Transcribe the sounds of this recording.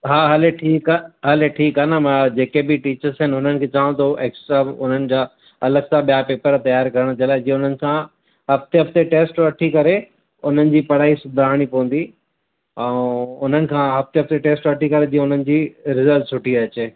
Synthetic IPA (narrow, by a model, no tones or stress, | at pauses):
ɦaːɦɐleʈʰiːkaɦɐleʈʰiːkaːnɐmɐ̃d͡ʑeːkebɪʈiːt͡ɕəɾsɦɪnʊn̤ənɪ̆kʰeːt͡ɕãːũt̪ʰoʔeːksʈɾaːʊn̤ənɪ̆d͡ʑaː | ɐləɡsãɓijapeːpəɾt̪ɐjaːɾkɐɾəɽ̃t͡ɕɐlaːɪ̃d͡ʑiẽʊn̤ənɪ̆kʰã | ɦɐft̪eɦɐft̪eʈeːsʈʋɐʈʰikɐɾe | ʊn̤ənɪ̆d͡ʑiːpɐɽ̤aːisʊd̪ʱaːɽ̃ipɐʋə̃nd̪i | ɛ̃ʊn̤ənɪ̆kʰãːɦɐft̪eɦɐft̪eʈeːsʈʋɐʈʰikɐɾed͡ʑiẽʊn̤ənɪ̆d͡ʑiːɾɪzəlʈsʰʊʈʰiɐt͡ɕe